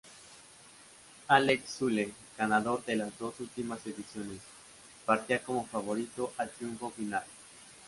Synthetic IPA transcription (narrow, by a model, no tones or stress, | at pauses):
aleksule | ɡ̥anaðo̞ɾðe̞lazðo̞sult̪imaseðisjo̞ne̞s | paɾt̪iako̞mo̞faβ̞o̞ɾit̪o̞ʔat̪ɾjuɱfo̞final